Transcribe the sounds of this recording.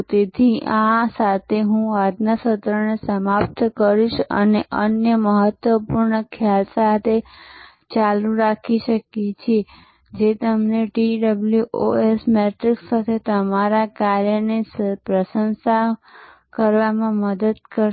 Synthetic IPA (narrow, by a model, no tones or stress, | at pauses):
t̪it̪ʰiʔãsat̪ʰeɦũad̪nasət̪ɾənesəmap̚t̪kəɾiʃə̰neʔənjəməɦət̪ʋəpuɾɳəkʰjalsat̪ʰe | t͡ʃaluɾakʰiʃəket͡ʃʰe | d͡ʒet̪əmneʈiɖəbljuʔo̰esmɛʈɾiksːat̪ʰet̪əmaɾakaɾjənespɾəʃənsa | kəɾʋamãməd̪əd̪̚kə